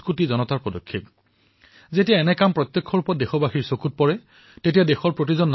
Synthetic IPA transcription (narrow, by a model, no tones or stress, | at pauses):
kutizɔnɔtaɹpɔdɔkʰːep̚ | zetijaɛnɛkampɹɔt̪jɔkʰːɔɹupɔt̚dexɔbaxiɹsokut̚pɔɹɛ | tetijadexɔɹpɹot̬izɔnː